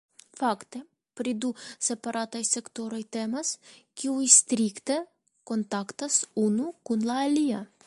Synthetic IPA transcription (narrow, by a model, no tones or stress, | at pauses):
fakt̪e | pɾid̪usepaɾʔat̪ajsekt̪oɾojt̪emaskiujst̪ɾikt̪e | kont̪akt̪asunukunlaːlia